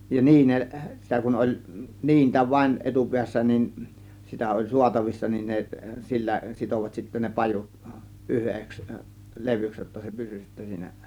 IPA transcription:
jɑ niːneʔ sitæ kun olʲ niːntæ ʋɑĭn etupiæsːæ nin sitæ olʲ suɑtɑʋisːɑ nin ne silːæ sitoʋɑt sitːæ ne pɑjut ʔyheks leʋyks jotːɑ se pysy sitːæ siːnæ

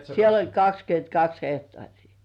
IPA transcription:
siel olʲ kɑkskyøntkɑks hehtŏɑˑrʲiː

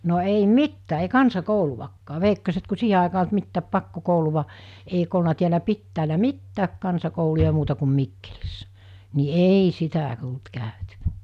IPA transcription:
no ei mitːæː ei kɑnsɑkouluʋɑkːɑː ʋeikːoset ku siːhe ɑˑekɑː olt mitːæːp pɑkːokouluʋɑ eik olnɑ tiælæ pitːæːlæ mitːæːk kɑnsɑkoulujɑ muːtɑ kum mikːelisːæ̥ ni eːi sitæ tult kæˑøtyʋæ̥

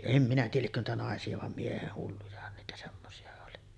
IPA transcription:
em minæ tiːjæl liekːø niːtæ nɑˑesiɑ ʋɑm mieheh hulːujɑhɑn niːtæ semːosiɑ oli

